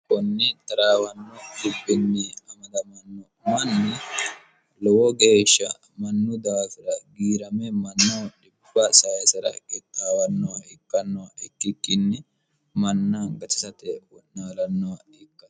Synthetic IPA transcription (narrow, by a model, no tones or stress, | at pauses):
kɔnːɪt̪ɐɾaːwɐnːɔdɪbːɪnːɪɐmɐd̪ɐmɐnːɔ | mɐnːɛ | lɔwɔɡe̞ːʃːɐ | mɐnːʊd̪aːfɪɾɐɡiːɾɐmɛmɐnːɔᶑɪbːɐsɐjsɐɾɐ̰kɛt̪ʼːaːwɐnːɔwɐɪkːɐnːɔwɐʔɪkːɪkːɪnːɛ | mɐnːaɡɐt̪ɪ̥sɐt̪ɛwɔnaːlɐnːɔwɐ | ɪkːɐ̥